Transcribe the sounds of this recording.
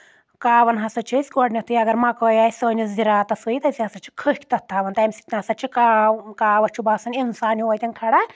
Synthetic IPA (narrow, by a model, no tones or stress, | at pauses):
kaːʋɐnɦɐsɐt͡ʃʰisʲkoɖnʲɐt̪ʰɨjɐɡɐɾmɐkəjasɐɐnisziɾaːt̪ɐsɐit̪ɐsʲiɦɐsɐt͡ʃʰi̥kʰəhkʰʲt̪ɐt̪ʰːaːʋɐnt̪ɐmʲsi̥t̪nʲɐsɐt͡ʃʰikakaːʋɐt͡ʃʰubaːsɐninsaːnuɐjt̪ʲɐnkʰɐɽa